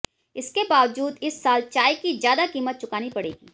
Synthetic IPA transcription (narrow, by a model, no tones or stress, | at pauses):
ɪskebaːʋd͡ʒuːd̪ɪsːaːlt͡ʃaːikizjaːd̪akiːmət̪̚t͡ʃʊkaːnipɐɽḛːɡḭː